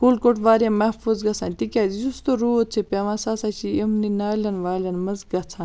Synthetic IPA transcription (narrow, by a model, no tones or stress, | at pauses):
kulkoʈʋaːɾjɐ̃mɐhfuzɡɐt͡sʰãːnʲt̪ikʲaːzizust̪oɾuːt̪̚t͡sʰepʲaʋãsaːsat͡ʃʰiimninaːlʲɐnʋaːlʲɐnmɐzɡɐt͡sʰãːn